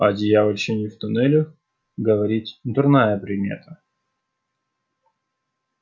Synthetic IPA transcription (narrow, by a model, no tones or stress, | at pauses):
ɐdʲɪjavɐlʲɕɪnʲɪft̪ʊnɛlʲʊ | ɡəvɐɾʲitʲnd̪ʊrnajəpɾʲɪdʲmʲḛt̪ʰə